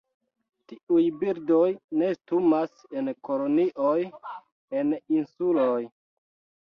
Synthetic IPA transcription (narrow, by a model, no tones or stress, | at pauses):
tiujbiɾdojne̞stumasenko̞loniʔoj | eninsuloj